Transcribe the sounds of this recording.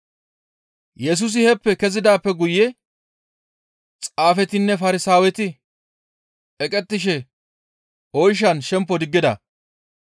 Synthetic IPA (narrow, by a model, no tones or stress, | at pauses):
jɛs̬ʊs̬ɪhɛpːɛkɛzɪd̪aːpːɛɡʊjːɛ | t͡sʼaːfɛt̪ɪnːɛfɐɾɪsaːwɛt̪ɪ | ɛkʼɛt̪ːɪʃɛ | ɔjʃ̬ɐnʃɛmpːɔd̪ɪɡːɪd̪ɐ̰